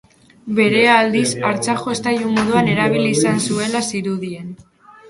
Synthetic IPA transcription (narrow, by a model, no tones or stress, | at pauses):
be̞ɾe̞aːld̪isaɾt͡saʝo̞est̪ajumoðuane̞ɾaβ̞ilisansue̞lasiɾuðien